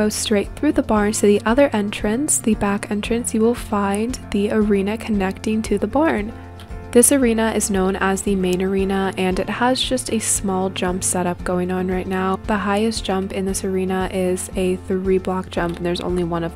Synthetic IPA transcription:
oʊ̥stɹ̥eɪt̪̚θɹʉðəbɑɹn̥tʰɨðiʔʌðə˞ʔɛ̃nt͡ʃɹ̥ɨ̃nsðɨbækɛ̃nt͡ʃɹ̥ɨ̃nsjɨwɪlˠfãɪ̃nðiə˞ĩnɨkʰɨnɛk̚tɪ̃ŋtʰɨðəbɑɹn | ðɪsə˞ĩnəʔɨznõʊ̃nʔəzðɨmẽɪ̃nə˞ĩnəʔɨ̃nɨt̚həzd͡ʒʌstɨsmɔlˠd͡ʒʌ̃mpsɛɾʌp̚ɡ̥oʊɪ̃ŋə̃nɹaɪtⁿnaʊðəɦaɪɨsd̥ʒ̥ʌ̃mpɨ̃nðɪsə˞ĩnəʔɪzɨθɹiblɑk̚d̥ʒ̥ʌ̃mpn̩ðə˞zõ̰ʊ̃nliwʌ̃nʌv

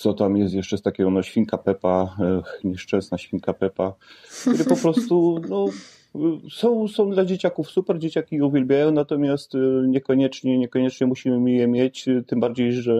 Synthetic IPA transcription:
t̪sɔt̪amjɛst̪jɛʂt͡ʂɛst̪akʲɛɔ̃nɔɕfʲiŋkapɛpaɲɛʂt͡ʂɛ̃ñsnaɕfʲiŋkapɛpak̚t̪uɾɘpɔpɾɔst̪unɔ | sɔ̃w̃sɔ̃w̃d̪lad͡ʑet͡ɕakufsupɛɾd͡ʑet͡ɕakʲijɛuvʲjɛlbʲjajɔ̃w̃nat̪ɔmʲjast̪ɲɛkɔɲɛt͡ʂɲɛɲɛkɔɲɛt͡ʂɲɛmuɕimɘmjɛmʲjɛt͡ɕt̪ɘmbaɾd͡ʑejʐɛ

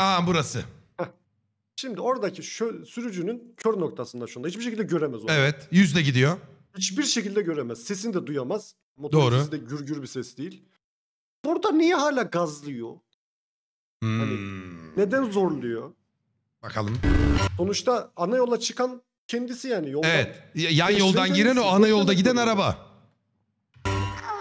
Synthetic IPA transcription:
abuɾasɯhɛ | ʃimd̪io̞ɾad̪acʰiʃøsyɾyd͡ʒynyncʰøɾno̞kt̪ʰasɯnd̪aʃund̪ait͡ʃbiɾʃ̬ecilʲd̪ɛɟø̞ɾemɛzoevɛt̪jyzd̪ɛɟid̪ijohit͡ʃbiɾʃecilʲd̪ɛɟø̞ɾemɛz̥se̞sind̪ɛd̪ujamaz̥ | mo̞t̪d̪oːɾʊsid̪ɛɟyɾɟyɾbisɛsd̪ejilʲ | b̥uɾd̪anijɛɦaːlʲaːɡazlˠɯjo | aned̪ænzoɾd̪ijo | bakʰalˠɯmso̞nut͡ʃt̪ʰaanajo̞lˠat͡ʃʰɯkan | cʰɛnd̪isijaːnijo̞lˠevɛt̪janjolˠdanɟiɾɛno̞anajolˠd̪aɟid̪ænaɾaba

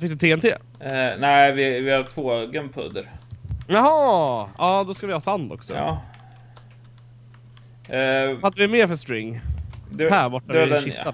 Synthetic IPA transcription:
fɪk̚d̪ət̪ʰeːɛnt̪ʰḛː | næɪvɪvɪhat̪ʰvoːɡənpʰɵ̰d̪əɾjaɦɑːɑːd̪ɔskavɪhɑːsand̪ɔ̰ksɔ̰ɑ̰ː | fat̪ːvɪmeːɾfœst̪ɾɪŋːd̪ɛhæːɾbɔʈːaɛɪɛʃɪa

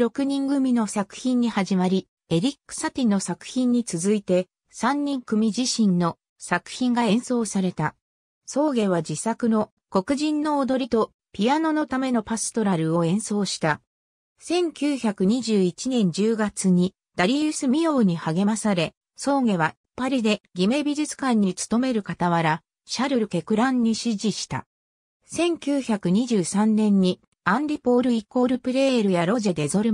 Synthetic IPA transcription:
ɾo̞kɯ̟ɲ̟ĩŋɡɯ̟mʲino̞sakɯ̟̥çĩɲ̟ːihaʑimaɾʲi | e̞ɾʲikːɯ̥sat̪ʲino̞sakɯ̟̥çĩɲ̟ːit͡sɨzɨit̪e̞ | sãɲ̟ːĩŋkɯ̟mʲiʑiɕĩnːo̞ | sakɯ̟̥çĩŋɡaẽ̞ɰ̃so̞ːsaɾe̞t̪a | so̞ːɡe̞β̞ad͡ʑisakɯ̟no̞ | ko̞kɯ̟ʑĩnːo̞ːd̪o̞ɾʲit̪o̞ | pʲiano̞no̞t̪ame̞no̞pasɨ̥t̪o̞ɾaɾɯ̟o̞ẽ̞ɰ̃so̞ːɕi̥t̪a | sẽ̞ŋkʲɨːçakɯ̟ɲ̟iʑɨːit͡ɕinẽ̞ɲ̟d͡ʑɨːɡat͡sɨɲ̟i | d̪̥aɾʲiɯsɨmʲio̞ːɲ̟ihaɡe̞masaɾe̞ | so̞ːŋe̞β̞aipːaɾʲid̪e̞ɡʲime̞bʲiʑɨt͡sɨ̥kãɲ̟ːit͡sɨ̥t̪o̞me̞ɾɯ̟kat̪aβaɾa | ɕaɾɯ̟ɾɯ̟ke̞kɯ̟ɾãɲ̟ːiɕiʑiɕi̥t̪a̰ | sẽ̞ŋkʲɨːçakɯ̟ɲ̟iʑɨːsãnːẽ̞ɲ̟ːi | ãnd̪ʲipo̞ːɾɯ̟iko̞ːɾɯ̟pɯ̟ɾe̞ːɾɯ̟jaɾo̞ʑe̞d̪e̞zo̞ɾɯ

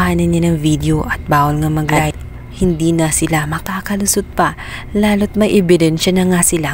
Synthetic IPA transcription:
haːnɐnːɐnɐŋvid̪oʔɐt̪̚baːwɐlŋɐmɐɡlat̪ | hɪnd̪inɐsɪlamɐkaːkɐlʊsʊd̪̚pɐ | laːlot̪̚mɐjʔɛbɪd̪ɛnʃɐnɐŋasɪla

